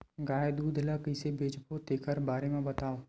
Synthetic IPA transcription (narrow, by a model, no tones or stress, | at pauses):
ɡaːjd̪uːd̪ʱlaːkəsebʱeːd͡ʒpʰot̪eːkʰəɾbaːɾemãbət̪aːoː